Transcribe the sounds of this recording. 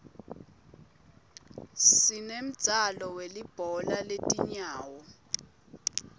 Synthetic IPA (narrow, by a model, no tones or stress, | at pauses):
sinem̩̥z̥ʱalɔwelib̥ʱɔlaletʼiɲaːwɔ